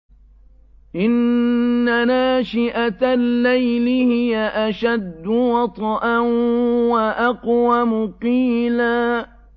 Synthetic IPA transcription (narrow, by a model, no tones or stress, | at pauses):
ʔɪnː | anaːʃɪʔat̪alːajlɪhɪjaʔaʃad̪ːʊwɑt̪ˤʔa | waʔaqwamʊqiːlaː